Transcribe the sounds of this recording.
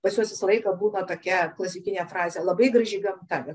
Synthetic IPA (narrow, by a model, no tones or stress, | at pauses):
bɐsʲuɔsʲɪslˠɐɪkɐbuːnɐt̪oːkʲɛklˠɐsʲɪkʲɪnʲeːfrɑːzʲejɛlˠɐbɐɪɡɾɐʒʲɛɪɡɐmt̪ɑɛ